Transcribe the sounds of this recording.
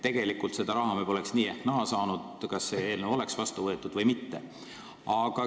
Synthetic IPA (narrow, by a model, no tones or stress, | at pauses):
t̪ːe̞ɡ̥e̞likːult̪se̞d̪̥ɑɾɑɦɑmebo̞lɛksniːehknæɦɑsɑːnud̪̥kɑsːeeːlneo̞le̞ksvɑst̪uvɤet̪ːˑud̪̥vɤjmit̪ːe̞ | ɑɡ̥ɑ